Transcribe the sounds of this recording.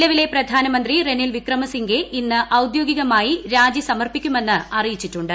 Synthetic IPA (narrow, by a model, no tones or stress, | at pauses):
lɐʋile̞prɐd̪ʱaːnɐmɐnd̪rire̞nilʋikrɐmɐsiŋɡeʔinːɨʔɐwd̪jo̞ːɡiɣɐmaːjiɾaːd͡ʑisɐmɐrpikʲːume̞nːɨɐrijit͡ɕːiʈːuɳɖɨ